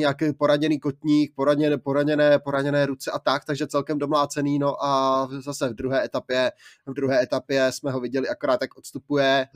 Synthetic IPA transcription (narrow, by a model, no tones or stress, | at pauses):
ɲakɛːpo̞ɾaɲɛniːko̞t̪ɲiːk̚po̞ɾaɲɛpoɾaɲɛnɛːpo̞ɾaɲɛnɛːɾut͡sɛʔat̪ak̚t̪aɡʒɛt͡sɛlkɛmdo̞mlaːt͡sɛniːno̞ʔazasɛvdɾuɦɛːɛt̪apjɛvdɾuɦɛːɛt̪apjɛsmɛɦo̞vɪɟɛlɪako̞ɾaːt̪jakʔot̪st̪upujɛ